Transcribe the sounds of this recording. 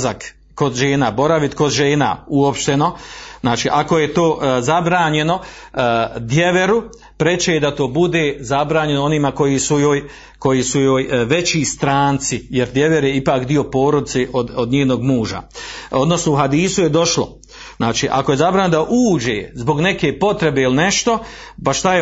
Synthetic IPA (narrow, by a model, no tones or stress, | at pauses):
zak | ko̞d̪ʒe̞ːnaːbo̞ɾaʋit̪kod̪ʒeːna̰uo̞pʃt̪e̞no̞znaːt͡ʃiːʔakojet̪oːzabɾaːɲe̞no̞ | d̪je̞ʋeɾu | pɾet͡ʃeed̪at̪o̞ːbud̪e̞ːzabɾaːɲe̞nooniːmako̞jisujoːj | ko̞jisujoːjʋe̞t͡ɕiːst̪ɾaːnt̪sije̞ɾd̪je̞ʋeɾjeipaːkd̪io̞po̞ːɾod̪it̪seʔod̪od̪ɲeːno̞ɡmuːʒa̰o̞d̪no̞snouɦad̪iːsuje̞d̪o̞ʃlo | znaːt͡ʃiːʔakoje̞zabɾaːɲnod̪aʔuːd͡ʑeːzbo̞ɡne̞keːpo̞t̪ɾe̞beiline̞ʃt̪o̞ | paʃt̪aje